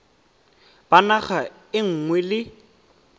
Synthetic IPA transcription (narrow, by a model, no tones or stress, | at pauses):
b̥anaχa | ɪŋ̩ŋwɛlɪ